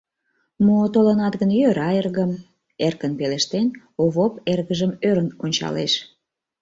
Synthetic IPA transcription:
mot̪olənɑt̪ɣənjøɾɑerɣəm | erkənpeleʃt̪en | oβoperɣəʒəmøɾənonʲt͡ɕɑ̰lḛʃ

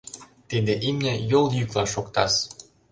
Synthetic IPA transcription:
t̪ed̪eʔimnʲɘ̆jolˠjyklˠɑʃokt̪ɑ̰s

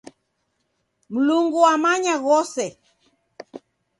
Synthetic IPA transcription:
m̩luŋɡuamaɲaɣɔsɛ

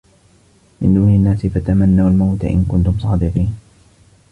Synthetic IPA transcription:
mɪ̰nd̪uːnanːaːsɪfat̪amanːawalmawt̪a̰ʔɪ̰nkʊnt̪ʊmsˤɑːd̪ɪqiːn

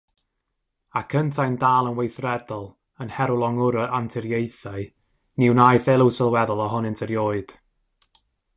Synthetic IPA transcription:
akʰəntʰajndaːlˠənwejθrɛdɔlˠ | ənhɛɾʊlˠɔŋʊɾəʔantʰɪɾjejθaɨ | nɪwnaːjθɛlˠəwsəlˠwɛðɔlˠɔɦʊnɪntʰəɾjoːɨd̥

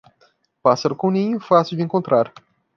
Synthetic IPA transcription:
pasɐɾkonijfasid̪ʲeŋkont̪ɾar

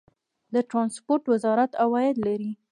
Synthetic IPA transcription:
d̪əʈɾɑnspoɾʈwɪzɑɾat̪awɑjɪd̪laɾi

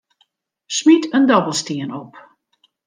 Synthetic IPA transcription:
smitəndɔbəlˠstiənɔp

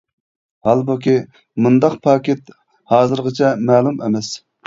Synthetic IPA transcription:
hɑlˠbukʲʰi | mund̪ɑqpʰɑːkʲet̪ | hɑːzɨɾʁət͡ʃʰɛmɛːlˠumemɛs

